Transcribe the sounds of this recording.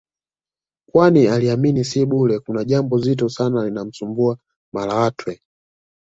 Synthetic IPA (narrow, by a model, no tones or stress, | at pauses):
kwanialiaminisiɓulɛkunaʄambɔzit̬ɔsanalinam̩sumbua | malawatʰwɛ